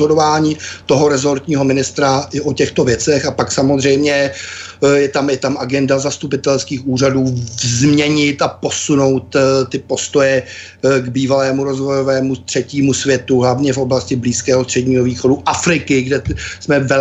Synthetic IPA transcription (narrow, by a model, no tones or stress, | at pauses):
ɦodovaːɲiːt̪o̞ɦo̞ɾɛzo̞ɾt̪ɲiːɦo̞mɪnɪst̪ɾaʔɪʔocɛxt̪ovjɛt͡sɛxapaksamozr̝ɛjmɲɛ | jɛt̪amɪt̪amʔaɡɛndazast̪upɪt̪ɛlskiːxʔuːr̝aduːvzmɲɛɲɪt̪apo̞suno̞wt̪t̪ːɪpo̞st̪o̞jɛ | ɡbiːvalɛːmuɾozvo̞jovɛːmust̪r̥ɛciːmusvjɛt̪uɦlavɲɛfʔo̞blascɪbliːskɛːɦost̪r̝̥ɛɟɲiːɦoviːxo̞duʔafɾɪkɪɡdɛsmɛvɛ